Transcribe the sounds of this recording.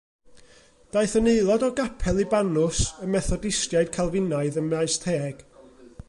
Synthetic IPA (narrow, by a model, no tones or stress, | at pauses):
d̥aɨθəneɨlˠɔdɔɡapʰɛlˠibanʊsəmɛθɔdɪstjaɨd̥kʰalˠvɪnaɨðəmajstʰeːɡ̥